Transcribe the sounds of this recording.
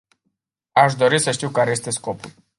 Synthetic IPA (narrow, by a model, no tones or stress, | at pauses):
aʃ̬d̪o̞ɾisəʃt̪iwkaɾe̞je̞st̪e̞sko̞pul